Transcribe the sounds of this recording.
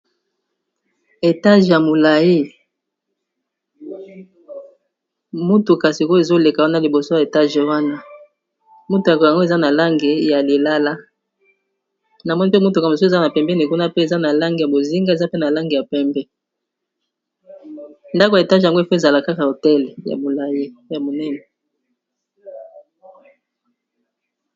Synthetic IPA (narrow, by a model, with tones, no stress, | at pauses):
e˨ta˦ʒja˨mo˨la˨ji˦ | mu˦tu˨ka˨si˨ko˦e˨zo˦le˨ka˨wa˦na˦li˨bo˨so˦ja˨e˨ta˦ʒwa˦na˦ | mu˦to˨ja˨ka˨ŋɡo˦e˨za˦na˨la˦ŋɡe˨ja˨le˨la˦la˦ | na˨mɔ˦ni˦pe˦mu˦tu˨ka˨sza˦na˨pɛ˨mbɛ˦ni˨ku˦na˦pe˦e˨za˦na˨la˦ŋɡi˨ja˨bo˨zi˦ŋɡa˦e˨za˦pe˦na˨la˦ŋɡe˨ja˨pɛ˦mbɛ˦ | nda˦ko˨ja˨e˨ta˦ʒja˨ŋɡo˦e˨fo˦e˨za˨la˨ka˦ka˨a˨o˨tɛ˦lja̰˨bo˨la˦je˦ja˨mo˨nɛ˦nɛ˨